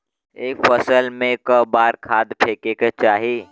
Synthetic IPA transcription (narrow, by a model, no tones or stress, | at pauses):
eːkfəsəlmẽkəbaːɾkʰaːd̪pʰeːkekat͡ʃaːɦi